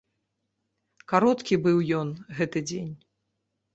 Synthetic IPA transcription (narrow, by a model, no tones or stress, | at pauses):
kaɾɔt̪kʲibɨwjɔnɣɛt̪ɨd͡zʲenʲ